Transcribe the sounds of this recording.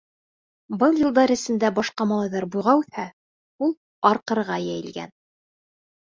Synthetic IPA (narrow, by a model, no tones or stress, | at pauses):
bɤlˠjɤ̆lˠd̪ɑɾɘ̆sɘ̆nd̪æbɑʃqɑmɑlˠɑjðɑɾbujʁɑʉθhæ | ulˠ | ɑɾqɤ̆ɾʁɑjæjɘ̆lɡæ̰n